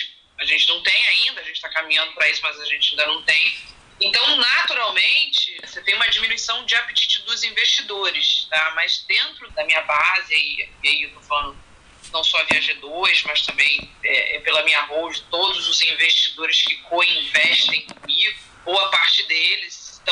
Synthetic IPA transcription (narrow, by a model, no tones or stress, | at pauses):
aʒẽnt͡ʃɪnɐ̃w̃t̪ẽj̃aĩnd̪ɐʒẽnt͡ʃɪt̪akamĩɲɐ̃nd̪ʊpɾɐisʊmɐzaʒẽnt͡ʃɪaĩnd̪ɐnɐ̃w̃t̪ẽj̃ | ẽnt̪ɐ̃w̃nat̪uɾawmẽnt͡ʃɪset̪ẽj̃ũmɐad͡ʒimĩnuisɐ̃w̃d͡ʒɪapit͡ʃit͡ʃɪd̪ʊzĩveʃt͡ʃid̪oɾɪst̪amɐzd̪ẽnt̪ɾʊd̪ɐmĩɲɐbazɪaḭiaiewt̪ofalɐ̃nd̪ʊ | nɐ̃w̃sɔviaʒed̪oɾɪzmɐst̪ɐ̃mbẽj̃ɛ̰ʔɛ̰pelɐmĩɲaɦowd͡ʒɪt̪od̪ʊzʊzĩveʃt͡ʃid̪oɾɪskɪkõĩvɛʃt̪ẽj̃kõmiɡʊbowɐpaɾt͡ʃɪd̪elɪst̪ɐ̃